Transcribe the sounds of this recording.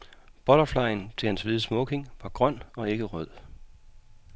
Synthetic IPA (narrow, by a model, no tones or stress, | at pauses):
b̥ɒ̽ɾ̥ɐflɑ̈ɪnt͡sʰe̝hænsʋiðˠsmɔɡ̥e̝ŋʋɑ̈ɡ̥ʁɶn̰ɒ̽e̝ɡ̥əʁœð̰ˠ